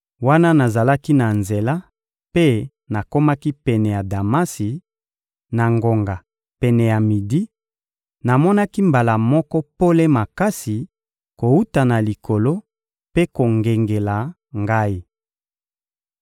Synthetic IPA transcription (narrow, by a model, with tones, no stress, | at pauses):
wa˦na˦na˨za˨la˦ki˦na˨nze˨la˦ | pe˦ | na˨ko˦ma˦ki˦pɛ˨nɛ˨ja˨da˨ma˦si˨ | na˨ŋɡo˨ŋɡa˨ | pɛ˨nɛ˨ja˨mi˨di˦ | na˨mɔ˦na˦ki˦mba˨la˨mɔ˦kɔ˦po˦le˦ma˨ka˦si˨ | ko˨u˦ta˨na˨li˨ko˨lo˦ | pe˦ko˨ŋɡe˨ŋɡe˨la˨ | ŋɡa˦i˦